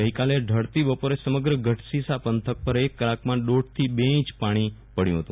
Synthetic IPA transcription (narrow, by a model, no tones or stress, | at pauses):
əɦikaleɖʱəɽt̪ibəpoɾesəməɡɾəɡəʈʰsisapənt̪ʰək̚pəɾekːəlakmãɖoɽ̚t̪ʰibeĩt͡ʃpaɽ̃ipəɽjũɦət̪ũ